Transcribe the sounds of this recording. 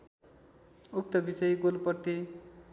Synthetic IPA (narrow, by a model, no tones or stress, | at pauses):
uk̚t̪ʌbit͡sʌjɡolpʌrt̪i